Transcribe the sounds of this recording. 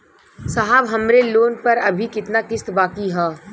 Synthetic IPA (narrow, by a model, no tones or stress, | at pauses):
sɐɦaːʋɦɐmɾeloːnpɐɾɐbʱikɪt̪nakɪst̪baːkiɦɛː